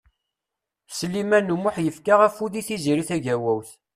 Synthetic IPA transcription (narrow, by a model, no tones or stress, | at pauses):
səlimænumʊħjəfkaʁæfuðiθiziɾiθæʝæwæwθ